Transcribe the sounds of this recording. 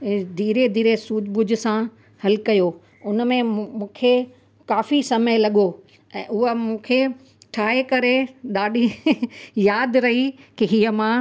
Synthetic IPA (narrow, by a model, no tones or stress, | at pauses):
d̪ʱiːɾed̪ʱiːɾesuːd͡ʑbʊd͡ʑʊ̆sã | hɐlkɐjo | ʊnmẽmũːkʰe | kaːfisɐməɪlɐɠo | ɛ̃ːʊɦəmũːkʰe | ʈʰaːekɐɾeɗaːɗi | jaːd̪ɾɐɦikiɦijəmãː